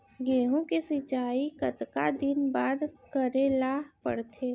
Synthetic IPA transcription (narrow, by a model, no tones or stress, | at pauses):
ɡeːɦõkesɪt͡ʃaːikɐt̪kad̪ɪnbaːd̪kəɾelaːɦpə̰ɽt̪ʰeː